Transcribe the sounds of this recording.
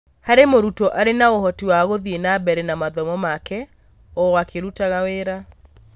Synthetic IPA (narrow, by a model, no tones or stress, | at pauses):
haɾemoɾutɔʔaɾenaohɔtiwaɣoðienabɛɾɛnamaðɔmɔmakɛ | ɔwakeɾutaɣaweɾa